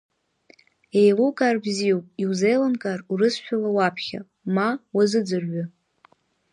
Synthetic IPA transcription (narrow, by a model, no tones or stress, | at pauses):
ejlukʼarbziowpʼiwzejlankʼarurɨsʃᶣalawapʰχʲa̰ | mawazɨd͡zɨrɥa